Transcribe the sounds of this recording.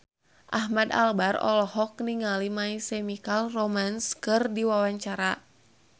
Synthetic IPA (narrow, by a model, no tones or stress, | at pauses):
ʔaɦmada̰lbarɔ̰lɔɦɔk̚niŋalimaisɛmikalromanskɨrdiwawaɲt͡ʃaɾa